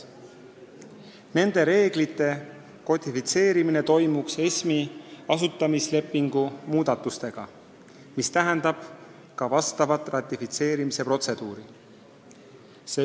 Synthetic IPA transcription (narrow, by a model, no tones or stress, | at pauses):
ne̞nd̪̥e̞ɾe̞ːɡ̥lit̪ːˑe̞ | ko̞t̪ifit̪se̞ːɾimine̞t̪o̞jmukse̞smiɑsut̪ˑːɑmisle̞pːˑiŋɡ̥umuːd̪ɑt̪ːˑust̪e̞ɡ̥ɑ | mist̪æɦɛnd̪̥ɑb̥ | kɑvɑst̪ɑvɑt̪ːˑrɑt̪ːˑifit̪se̞ːɾimise̞pro̞t̪se̞d̪̥uːɾi | se